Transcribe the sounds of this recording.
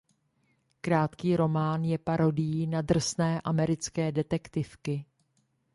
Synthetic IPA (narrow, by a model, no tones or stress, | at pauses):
kɾaːt̪kiːɾo̞maːnjɛpaɾo̞dɪjiːnad̪r̩snɛːʔamɛɾɪt͡skɛːdɛt̪ɛkt̪ɪfkɪ